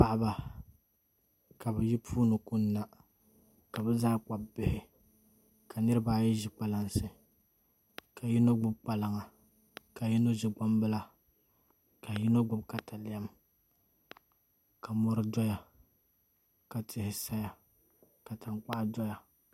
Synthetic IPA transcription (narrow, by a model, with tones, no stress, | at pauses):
pa˦ʔa˦ba˨ | ka˨bɛ˨ji˦pʰuː˦nɨ˨ku˦nː˦a˦ | ka˨bɛ˦zaː˦k͡pa˨bbɪ˦hɪ˦ | ka˨nɨ˦ɾɨ˦baː˦jɛ˦ʒɪ˨k͡pa˨la˦nsɨ˨ | ka˨ji˦no˦ɡ͡bʊ˦b̚k͡pa˨la˨ŋa˨ | ka˨ji˦no˦ʒi˨ɡ͡ba˦mbɨ˦la˦ | ka˨ji˦no˦ɡ͡bʊ˦bka˨tʰa˨lɪ˦ja˦m | ka˨mɔ˦ɾɨ˦dɔ˦ja˨ | ka˨tɪ˨hɪ˨sa˦ja˨ | ka˨ta˨ŋk͡pa˦ʔdɔ˦ja˨